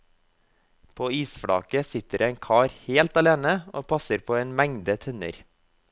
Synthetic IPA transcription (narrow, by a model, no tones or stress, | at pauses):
pʰoːiːsfɽɑ̰ːkəsɪt̪əɾeːŋkʰɑːɾheːlt̪ɑleːnəoːpʰɑsəɾpʰoːeːnmæŋd̪ət̪ʰœnə̰ɾ